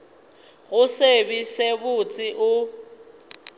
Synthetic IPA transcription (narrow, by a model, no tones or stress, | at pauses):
ɣʊsebisebʊt͡sʼɪʔʊ